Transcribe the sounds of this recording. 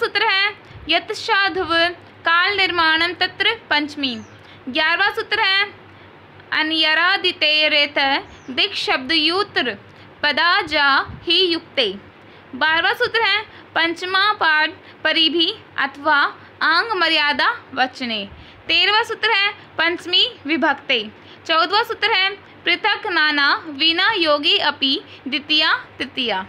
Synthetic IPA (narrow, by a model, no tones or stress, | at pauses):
sut̪ɾɐɦɛ | jɐt̪ʃaːd̪ʱɐʋ | kaːlnɪɾmaːɳɐmt̪ɐt̪ɾəpɐɲt͡ʃmiː | ɡjaːɾʋaːsut̪ɾɐɦɛ | ɐnjɐɾaːd̪it̪eːɾeːt̪ʰɐ | d̪ɪkʃɐb̚d̪juːt̪ɾɨ | pɐd̪aːd͡ʒaːhijʊk̚t̪eː | baːɾʋaːsut̪ɾɦɛ | pɐ̃ɲt͡ʃmaːpaːɖ̚ | pɐɾibʱiɐ̰t̪ʰʋaː | ãːŋɡmɐɾɪjaːd̪aːʋɐt͡ʃneː | t̪eːɾʋaːsʊt̪ɾəɦɛ̃ | pɐ̃ɲt͡ʃmiːʋɪbʱəɡt̪eː | t͡ʃɐwd̪ʋaːsʊt̪ɾɦɛ | pɾɪt̪ʰəknaːnaːʋinaːjoːɡiɐpi | d̪ɪt̪ijaːt̪ɪt̪ijaː